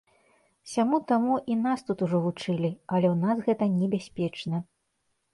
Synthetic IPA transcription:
sʲamut̪amuʔinast̪ut̪uʐɔvut͡ʂɨlʲiɐlʲɛwnasɣɛt̪ɐnʲɛbʲasʲpʲɛt͡ʂnɐ

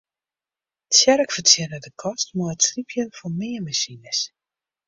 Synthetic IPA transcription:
tsjɛrəkfətjɛnədəkʰɔstmɔətslipʰjənfɔmɪəmasinəs

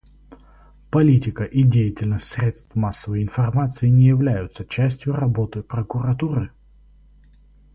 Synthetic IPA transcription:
pɐlʲitʲɪkəʔidʲejɪtʲɪlʲnəsʲtʲsɾʲe̞t̪st̪vmasːəvəjɪnfɐrmat̪sɨɪnʲɪjɪvlʲæjʊt̪sət͡ɕæsʲtʲjʊɾɐbo̞t̪ɨpɾəkʊɾɐt̪uɾɨ

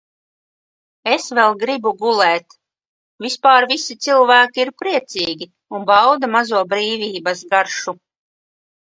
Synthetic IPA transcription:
esvɛlˠɡɾibuɡulɛːt̪ | vispaːɾvisit̪silˠvæːkʲiiɾpɾiɛt̪siːɡʲi | unbawd̪amazuɔbɾiːvʲiːbɐsɡaɾʃu

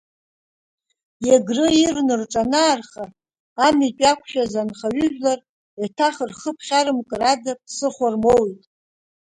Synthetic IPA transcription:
jaɡrɨirnɨrʈ͡ʂʼanaːrχaː | mit͡ʃʼakʷʰʃazanχaɥʏʒᶣlar | atʰaχrχəpʰχʲaɾɨmkʼɨradapʰsɨχʷarmowitʼ

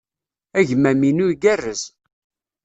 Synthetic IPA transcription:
æʝmæminʊɾɡærːəz

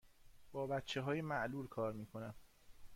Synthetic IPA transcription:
b̥ɒːbæt̪t͡ʃʰːeɦɒːjemæʔluːlkʰɒːɾmiːkʰo̞næm

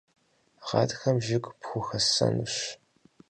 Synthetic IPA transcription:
ʁɑːtxɐmʒɪkʷʼpxʷʊxɐsɐ̰nuɕ

